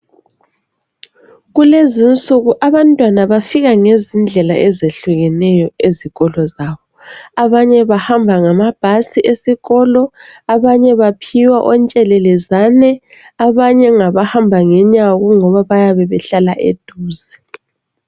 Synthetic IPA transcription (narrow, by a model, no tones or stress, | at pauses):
ɣulezint͡sʼuɣuʔaβantʼwanaβafiɣaŋezind͡ɮʱɛla̰ʔɛzeɬuɣɛnɛjɔeziɣɔlɔzaːβɔ | aβaɲɛβahambʱaŋamab̥ʱasiʔesiɣɔlɔaβaɲɛβapʰiwaʔɔnt͡ʃʼɛlɛlɛzanɛ | aβaɲɛŋaβahambʱaŋɛɲaɣuŋɔβaβajaβɛβɛɬalaʔḛd̥ʱuːzɛ